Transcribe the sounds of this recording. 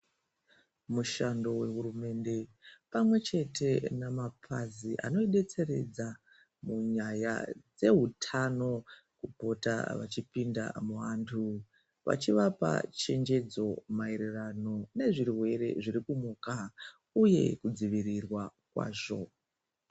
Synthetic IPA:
muʃando̞we̞ɦurume̞nde̞pamwe̞t͡ʃe̞tʰe̞namapʰaziʔa̰no̞iɗe̞t͡se̞ɾe̞̰d͡za | muɲaja̰d͡ze̞ɦutʰano̞ | kupo̞ta̰ʋa̰t͡ʃipinda̰muɦantʰu | ʋa̰t͡ʃiʋapa̰t͡ʃe̞nd͡ʒe̞d͡zo̞maeɾirano̞ne̞ʐiriɦwe̞ɾe̞̰ʐiɾikumuːka | uje̞̰kud͡ziʋirirwakwa̰ːʐo̞

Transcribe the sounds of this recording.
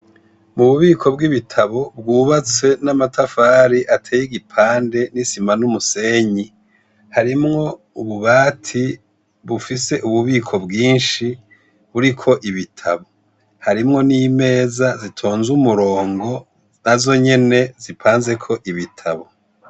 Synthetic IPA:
muβuβiːkʰo̞bɡiβitʰaβo̞bɡuːβat͡se̞namatʰafaːɾiʔatʰeːjiɡipʰaːnde̞nisimanumuse̞ɲi | haɾimŋo̞ | uβuβaːtʰi | βufise̞ʔuβuβiːkʰo̞bɡiːnʃi | βuɾikʰo̞ʔiβitʰaβo̞ | haɾimŋo̞niːme̞ːzazitʰo̞ːnzumuɾo̞ːŋɡo̞ | nazo̞ɲe̞ne̞zipʰaːnze̞kʰo̞ʔiβitʰaβo̞

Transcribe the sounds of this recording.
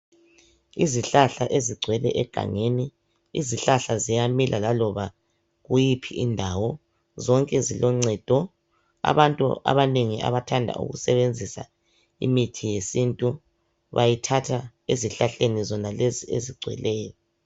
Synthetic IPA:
iziɬaɬaʔeziɡ͡ǀʱwɛlɛʔɛɡ̥ʱa̰ŋeni | ḭziɬaɬazijamilʔalalɔβa | ɣujipʰiindʱawɔ | zɔŋkʼɛzilɔŋ͡ǀɛd̥ʱɔ | a̰βantʼṵa̰βaneŋia̰βatʰandʱa̰ʔṵɣṵsɛβend͡zʱisa̰ | ḭmitʰijesintʼu | βajitʰatʰa | eziɬaɬenizɔnalezieziɡ͡ǀʱwɛ̰lɛːjɔ

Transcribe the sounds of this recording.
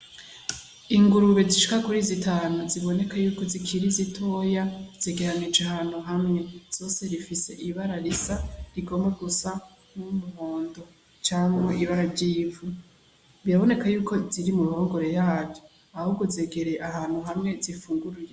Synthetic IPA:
iŋɡuɾuβe̞ziʃi̥kakuɾizitʰaːnuziβo̞ne̞kajuːko̞zikʰiɾizitʰo̞ːjaz̥eɡe̞ɾanid͡ʒeɦaːn̥huɦamŋe̞z̥o̞ːse̞ɾifise̞̰ʔiβaɾaɾisaɾiɡo̞mɡaɡusa | mumuhoːndo̞ | t͡ʃaːŋwoiβaɾaɾɟiːvu | βiɾaβo̞ne̞kajuːkʰo̞ziɾimuɾuhoːŋɡo̞ɾe̞jaːvjo | ahuɡozeːɡe̞ɾeʔaɦaːn̥huɦamŋe̞zifuːŋɡuɾuje

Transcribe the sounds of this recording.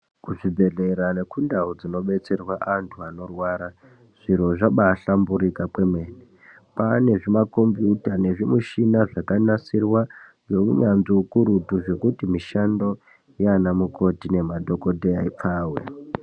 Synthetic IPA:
kuʐibʱe̞ɮe̞ɾane̞kundaud͡zino̞ɓe̞t͡se̞rwaʔantʰuano̞rwaɾa | ʐ̥iɾ̤oʐaɓaɬambuɾikakwe̞mwe̞ːne | pane̞ʐimako̞mbjutane̞ʐimuʃinaʐakanasirwa | jo̞ṵɲanziukuɾutuʐe̞kutimiʃando̞ | ianamuko̞tine̞madʱo̞ko̞dʱeaip͡faːwḛ

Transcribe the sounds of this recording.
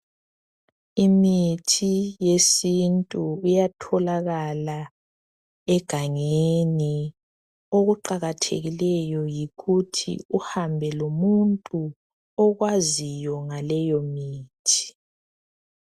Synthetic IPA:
imitʰijesintʼuːjatʰɔlaɣala | ɛɡ̥ʱaŋeni | oɣuǃaɣatʰḛɣilɛjɔjiɣutʰḭuhambʱɛlomuntʼu | ɔɣwazijɔŋalɛjɔmiːtʰi̥

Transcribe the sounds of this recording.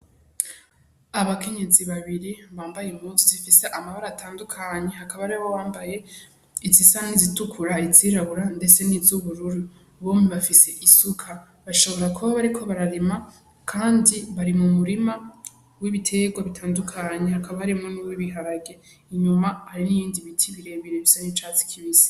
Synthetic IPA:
aβake̞ɲe̞ziβaβiɾiβaːmbajemuːsizifise̞ʔamaβaɾaːtʰaːndukʰaɲe̞ɦakaβaɾeowaːmbaje̞ | izisanizitukʰuɾaiziɾaβuɾande̞t͡se̞nizuβuɾuɾu | βoːmiβafise̞ʔisukʰa | βaʃoβo̞ɾakuβaβaɾikʰo̞βaɾaɾema | kʰaːndiβaɾimumuɾima | wiβitʰe̞ɡwaβitʰaːndukʰaɲehakaβahaɾimŋonuwiβiɦaɾaɡe̞ | iɲumahaɾinijiːndiβitʰiβiɾe̞βiɾeβisanit͡ʃaːzi̥kʰiβizi̥

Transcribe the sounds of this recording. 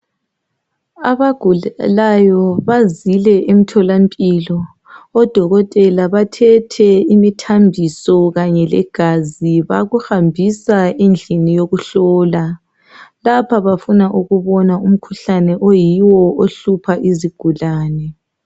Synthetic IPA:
aβaɡ̥ʱulajɔβazilɛʔem̩tʰɔlampʼilɔː | d̥ʱɔɣɔtʼɛlaβatʰɛtʰɛimitʰambʱisɔɣaɲɛlɛ̰ɡ̥ʱaziβaɣuhambʱisaend͡ɮʱinijoɣuɬɔːla | lapʰaβafunaʔuɣuβɔnaum̩kʰuɬanɛʔojiwɔʔoɬupʰaʔiziɡ̥ʱulaːnɛ

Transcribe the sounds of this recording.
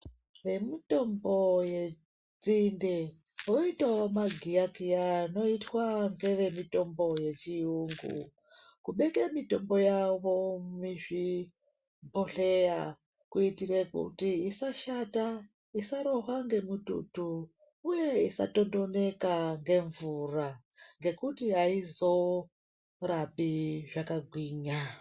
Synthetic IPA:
ʋe̞mito̞mbo̞je̞ | d͡zinde | oitaomaɡʱijakiano̞itwaŋɡe̞ʋe̞mito̞mbo̞je̞t͡ʃiuŋɡṵ | kuɓe̞kemito̞mbo̞jaʋo̞miʐi | bʱoɬe̞ja | kuitiɾekṵtiisaʃata | isaɾoɦwaŋɡe̞mutṵtu | uje̞isa̰to̞ndo̞ne̞kaŋɡe̞ɱvuraŋɡe̞kutiɦaizo̞ | rapiʐakaɡʱwiːɲa

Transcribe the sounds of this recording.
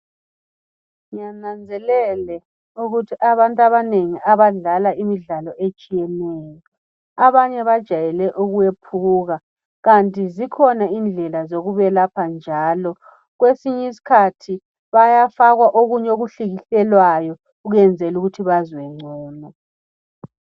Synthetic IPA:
ŋanand͡zʱɛlɛlɛ | uɣutʰiʔaβantʼaβaneŋiʔaβaɮalaimiɮalɔʔet͡ʃʼijɛnɛjɔ | aβaɲɛβad̥ʒ̥ʱajɛlɛʔuɣuwepʰuɣa | ɣantʼizikʰɔnaind͡ɮʱɛlazoɣuβɛlapʰand͡ʒʱaːlɔ | ɣwesiɲɛis̬i̥kʰatʰi | βajafaɣwaʔoɣuɲɛoɣuɬiɣiɬɛlwajɔ | uɣuɛnd͡zʱɛluɣutʰiβazwɛŋ͡ǀʱɔːnɔ

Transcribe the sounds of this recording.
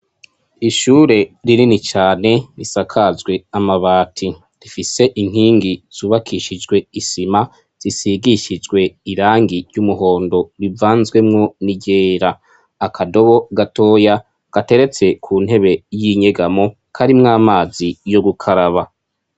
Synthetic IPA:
iʃuːɾe̞ɾiɾinit͡ʃaːne̞ɾisakʰazɡwe̞amaβaːtʰi | ɾifise̞ʔiŋ̥hiːŋɡiz̥uːβakʰiʃid͡ʒɡwe̞isima | z̥isiɡiʃid͡ʒɡwe̞iɾaːŋɡiɾjumuɦo̞ːndo̞ɾivaːnzɡwe̞mŋo̞niɟe̞ːɾaː | kʰado̞βo̞ɡato̞ːja | ɡ̥ate̞ɾe̞t͡se̞kʰuːn̥ɦe̞βe̞jiɲe̞ɡamo̞ | kʰaɾimŋaːmaːzijo̞ɡukʰaɾaβa

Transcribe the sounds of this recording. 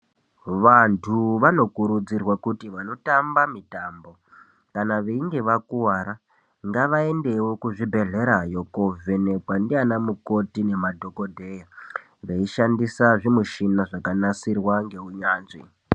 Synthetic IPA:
ʋantʰuʋano̞kuɾud͡zirwakutiʋano̞tambamitaːmbo̞ | kanaʋeiŋɡe̞ʋakuwaɾa | ŋɡaʋae̞nde̞wo̞kuʐibʱe̞ɮe̞ɾajo̞kove̞ne̞kwandianamuko̞tine̞madʱo̞kodʱe̞ja | ʋeiʃandisaʐimuʃinaʐakanasirwaŋɡe̞uɲaːnʐḭ

